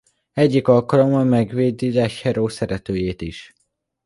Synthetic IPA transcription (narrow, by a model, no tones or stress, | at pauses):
ɛɟːikɒlkɒlo̞mɒmɛɡʋeːd̪ilɛʃhɛɾoːsɛɾɛt̪øːjeːt̪iʃ